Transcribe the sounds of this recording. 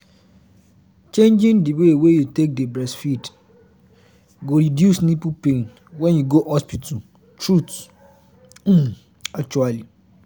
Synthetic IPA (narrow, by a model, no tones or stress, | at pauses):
t͡ʃʰẽɲd͡ʒɪ̃ndiwewejutʰek̚debɹɛsfid | ɡoɾidjusnĩpupʰẽn | wɛ̃njuɡohɔspitʰu | tʰɹut | ak̚t͡ʃuali